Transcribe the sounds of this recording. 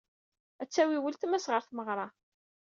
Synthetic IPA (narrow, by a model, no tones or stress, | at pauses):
æt͡sːæwiwəlt̪mæsʁəɾθməʁɾˤɑ